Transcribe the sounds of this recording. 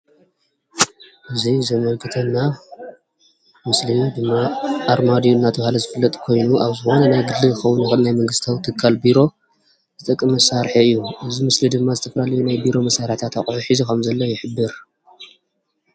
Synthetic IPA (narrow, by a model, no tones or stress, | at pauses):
ʔɨzizɐmɐlɡɨt̪ʰɐnːa | mɨslijud̪ɨmːaːɾmad̪ijuɨnːat̪ʰɐβhalɐzɨfɨlːɐt̪ʼkʰo̞jnuʔaβzɨxo̞nɐnajɡɨd̪ːɨɣxɐwːunjɪxɨnnajmɐŋɡɨst̪ʰawt̪ʰɨkʰːalbiɾo̞ | zɨt̪ʼɐkʼːɨmɐsaɾħiɨjːuʔɨzimɨslid̪ɨmːazɨt̪ʰɐfɐlalɐjunajbiɾo̞mɐsːaɾħt̪ʰat̪ʰaχʼʕuħizukʰɐmzɐlːɐjɪħɨbːɨɾ